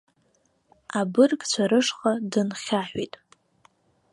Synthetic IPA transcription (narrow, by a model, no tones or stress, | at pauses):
abɨrkʼt͡ɕʷʰaɾɨʂχʼadɨnχʲaħʷᶣitʼ